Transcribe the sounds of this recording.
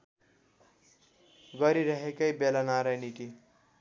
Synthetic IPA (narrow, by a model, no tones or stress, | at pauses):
ɡʌɾiɾʌɦekʌjbelanaɾʌjniʈi